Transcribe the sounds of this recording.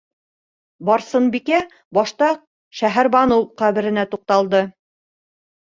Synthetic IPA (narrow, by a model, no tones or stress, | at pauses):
bɑɾsɤnbikæ | bɑʃt̪ɑ | ʃæɦæɾbɑnɤwqæβɘ̆ɾɘ̆næt̪uq̚t̪ɑlˠd̪ɤ